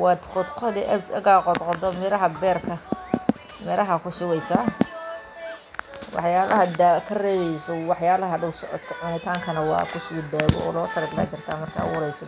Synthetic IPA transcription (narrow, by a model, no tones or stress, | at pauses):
wɑːd̪qɔd̪qʰɔðɪʔɐzɐ̰ɣaːqɔd̪qɔd̪ɔmɪɾɐɦɐbɛːrkʰɐ | mɛɾɐɦɐkʰʊsʊɣɛjsa | wɑ̰ħjaːlɐɦɐd̪akʰɐrɛːβɛjsɔwɑħjaːlɐɦɐɖɐwsɔʕɔ̰d̪kʰɐʕʊnɪt̪ʰaːŋkʰɐnɐwɑ̰ːkʰʊsʊd̪aːɣɔ̰ɔ̰ːlɔːt̪ʰɐɾɐd̪la̰ɡɪrt̪ʰaːmɐrkʰa̰ːwʊɾɛjsɔ